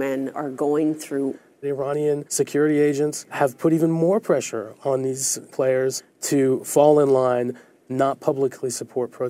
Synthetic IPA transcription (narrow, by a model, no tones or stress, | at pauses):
mɛ̃nə̰˞ɡoʊɪ̃ŋθɹu | ɪɹɑñiɨ̃nsɨkʰj̥ʊɹɨɾieɪd͡ʒɨ̃ntshɨv̥pʰʊɾivə̃nmɔɹpʰɹ̥ɛʃə̰˞ə̃nðiz̥pʰl̥eɪə˞z̥ | tʰɨfɔlˠə̃nlãɪ̃nː | ət̚pʰʌbləkʰlisəpʰɔɹt̚pʰɹ̥o